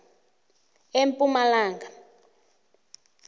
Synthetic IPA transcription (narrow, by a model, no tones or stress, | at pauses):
empʼumalaːŋɡa